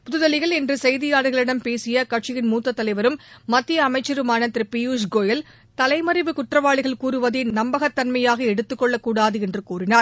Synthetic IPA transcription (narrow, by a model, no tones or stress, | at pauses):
pʊðɯðɐlɪɣɐɭɛndrɯsɛjðɪjaːɽɯɣɐɭɪɽɐmpeːsɪjɐkɐʈʂɪjɪnmuːt̪ːɐt̪ːɐlɐɪʋɐɾɯmːɐt̪ːɪjɐːmɐɪt͡ʃːɐɾɯmaːnɐt̪ːɾɯpɪjuːʂɡoːjɐl | t̪ɐlɐɪmɐɾɪʋɯkʊʈrɐʋaːɭɪɣɐɭkuːɾɯʋɐðeːnɐmbɐɣɐt̪ːɐnmɐjaːɣɐɛɽɯt̪ːɯkːɔɭːɐkːuːɽaːðɯɛndrɯkuːrɪnaːɾ